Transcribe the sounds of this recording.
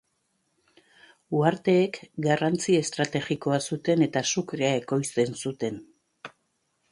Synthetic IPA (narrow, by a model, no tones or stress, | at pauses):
uaɾt̪e̞ːkɡarant͡sie̞st̪ɾat̪e̞ɣiko̞asut̪e̞ne̞t̪asukɾeae̞ko̞jst̪e̞nsut̪e̞n